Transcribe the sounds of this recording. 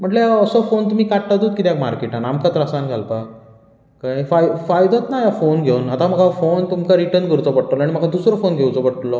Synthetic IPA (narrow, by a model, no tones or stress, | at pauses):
m̤əɳʈleəsɔfont̪̬um̤ikaʈʈat̪uːt̪kit̪eakmaɾkeʈanamkat̪ɾasanɡʱalpa | kajfajfajd̪ʱɔt̪najafonɡʱewnat̪aməɡʱafont̪umkaɾiʈəɾnkəɾut͡sɔpəɽʈlɔaɽ̃iməɡʰad̪usɾɔfonɡʱewt͡sɔpəɽʈlːɔ